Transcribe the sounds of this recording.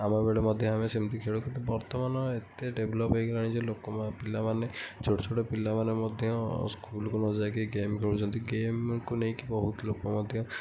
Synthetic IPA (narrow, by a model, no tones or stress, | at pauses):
amabeɽemɔd̪ʱjɔɦamesemɔnt̪ikʰeɭukint̪ubɔɾt̪ɔmanɔet̪eɖeblɔpɦojɡalaɽ̃id͡ʒelokɔpilːamanet͡ʃʰoʈɔt͡ʃʰoʈɔpilːamanemɔd̪ʱjɔ̃skulkunɔd͡ʒajkiɡemkʰeɭut͡ʃʰɔnt̪iɡemkunejkibɔɦut̪ɔlokɔmɔd̪ʱjɔ̃